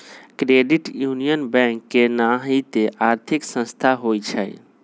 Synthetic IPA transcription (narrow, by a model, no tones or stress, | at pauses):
kɾeɖiʈjunijənbɛ̃ŋkːenaɦit̪eʔaɾt̪ʰiksə̃st̪ʰaɦojt͡ʃʰə̰j